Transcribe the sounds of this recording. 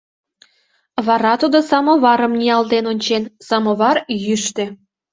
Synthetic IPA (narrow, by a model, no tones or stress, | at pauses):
βɑɾɑt̪ud̪osɑmoβɑɾəmniɑld̪enonʲt͡ɕensɑmoβɑrjyʃt̪ĕ